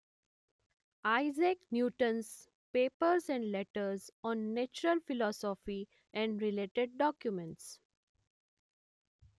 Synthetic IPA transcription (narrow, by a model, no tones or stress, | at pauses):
aɪzeknjuːʈə̃ns | peːpəɾzɛ̃ɳɖlɛʈəɾzɔ̃ːnːet͡ʃʊɾəlfɪlɔːsɔfi | ɛ̃ɳɖɾɪleːʈeɖ̚ːɔːkjumẽɳʈs